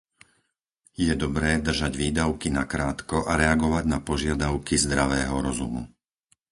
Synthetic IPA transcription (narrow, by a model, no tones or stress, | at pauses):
jɛd̪ɔbɾɛːd̪r̩ʒaɟʋiːd̪aʊkinakɾaːt̪kɔʔaɾɛaɡɔʋaɟnapɔʒɪad̪aʊkizd̪ɾaʋɛːɦɔɾɔzṵmṵ